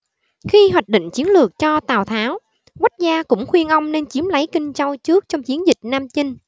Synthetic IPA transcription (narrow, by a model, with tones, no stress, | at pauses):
xi˧ɦwaː˨˩k̚ɗḭ˧˨ŋ̟t͡ɕi˨˦ənlɨ˨˩ək̚t͡ɕɔ˧t̪aː˨˩wt̪ʰaː˨˦w | wa˦˥k̟̚zaː˧kʊ̰˧˥ŋ͡mxwi˧ənʔə˧wŋ͡mne˧nt͡ɕi˨˦əmlə˨˦jkï˧ŋ̟t͡ɕə˧wt͡ɕɨ˦˥ək̚t͡ɕɔ˧wŋ͡mt͡ɕi˨˦ənzï˨˩k̟̚naː˧mt͡ɕi˧ŋ